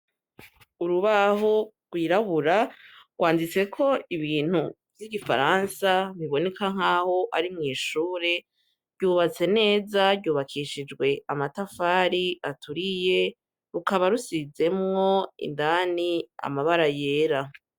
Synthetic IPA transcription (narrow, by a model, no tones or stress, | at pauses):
uɾuβaɦo̞ | ɡ̥wiːɾaβuɾaɡwaːndit͡se̞kʰo̞iβiːn̥hu | vjiɡifa̰ɾansaβiβo̞ne̞kaŋ̥aːho̞ʔaɾimŋiːʃuːɾe̞ | ɾɟuːβat͡se̞ne̞ːzaɾɟuːβakʰiʃid͡ʒɡwe̞ʔamatafaːɾiatuɾije̞ | ɾukaβaɾusize̞mŋo̞ḭndaːnia̰maβaɾaje̞ːɾa